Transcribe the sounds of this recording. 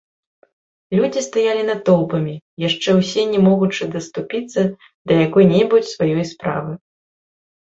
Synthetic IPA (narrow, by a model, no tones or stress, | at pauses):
lʲud͡zʲist̪ajalʲinɐt̪ɔwˠpɐmʲijaʂt͡ʂɛwsʲɛnʲɛmɔɣut͡ʂɨd̪ɐst̪upʲit̪sːɐ | d̪ɐjakɔjnʲɛbut͡sʲsvajɔjspɾa̰vɨ